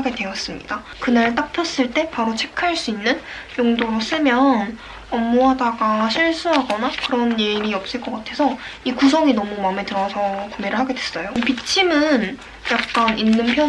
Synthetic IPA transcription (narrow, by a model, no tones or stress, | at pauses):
aɡe̞dwe̞ʌs͈ɯmɲḭda | kɯnaɭt͈ak̚pʰjʌs͈ɯɭt͈e̞paɾot͡ɕʰe̞kʰaɭs͈uinːɯnjoŋdoɾos͈ɯmjʌn | ʌmːoɦadaɡaɕʰiɭs͈uɦaɡʌnakɯɾʌnjeɾiʌp̚s͈ɯɭk͈ʌk͈atʰe̞sʰʌikus̬ʰʌŋinʌmumame̞tɯɾʌsʰʌkumeɾɯɭɦaɡe̞dwe̞s͈ʌjopit͡ɕʰimɯn | jak̚k͈anʔinːɯnpʰjʌ